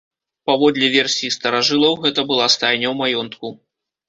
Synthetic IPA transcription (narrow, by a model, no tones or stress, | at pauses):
pavɔd̪lʲɛvʲɛrsʲiist̪ɐɾaʐɨlˠɐwɣɛt̪ɐbɨlˠast̪ajnʲɐwmajɔnt̪ku